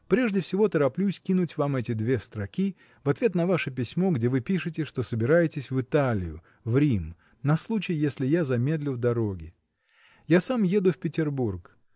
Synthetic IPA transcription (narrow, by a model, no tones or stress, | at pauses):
pɾʲe̞ʐdʲɪfsʲɪvo̞t̪əɾɐplʲusʲkʲinʊtʲvamɛtʲɪd̪vʲe̞st̪ɾɐkʲi | vɐt̪vʲe̞t̪nɐvaʂɨpʲɪsʲmo̞ɡdʲe̞vɨpʲiʂɨtʲɪʂt̪o̞səbʲɪɾajɪtʲɪsʲvɨt̪alʲɪ̰jʊ̰ | vɾʲim | nɐslˠut͡ɕɪjɪjesʲlʲɪjazɐmʲe̞d̪lʲʊvd̪ɐɾo̞ɡʲɪ | jasamje̞d̪ʊfpʲɪtʲɪrburk